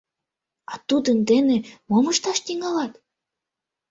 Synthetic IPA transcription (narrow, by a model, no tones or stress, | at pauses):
ɑt̪ud̪ənd̪enemomɤʃt̪ɑʃt̪iŋɑlɑt̪